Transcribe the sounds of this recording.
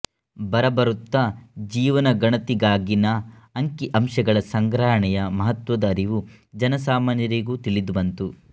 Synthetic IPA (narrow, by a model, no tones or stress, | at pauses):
bɐɾɐbɐɾut̪ːɐd͡ʒiːʋɐnɐɡɐɳɐt̪iɡaːɡinɐː | ŋkiʔɐmʃɐɡɐɭɐsɐŋɡɾaːɦɐɳɛjɐmɐɦɐt̪ʋɐd̪ɐːɾiʋu | d͡ʒɐnɐsaːmaːnjɐɾiɡuːt̪ilid̪ubɐnt̪u